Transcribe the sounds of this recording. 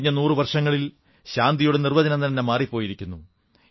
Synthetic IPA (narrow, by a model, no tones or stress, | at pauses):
ɲːɐnuːrɨʋɐrʂɐŋːɐɭil | ɕaːnd̪ijuɽenirʋɐd͡ʑɐnɐnt̪ɐnːemaːripːo̞ːjiɾikʲːunːu